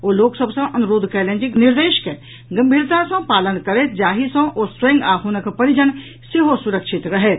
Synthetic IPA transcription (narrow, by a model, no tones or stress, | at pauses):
oːloːksəbsɐ̃ʔɐnʊɾoːd̪ʱt͡ʃɛːlẽnd͡ʒɪknɪɾd̪eːʃke | ɡɐmbʱiːɾt̪asɐ̃paːlənkəɾeːt̪d͡ʒaːɦisɐ̃ʔoːsɾẽŋɡaːɦʰunəkpɐɾɪd͡ʒən | sɪɦosʊɾəkʃɪt̪ɾɐɦeːt̪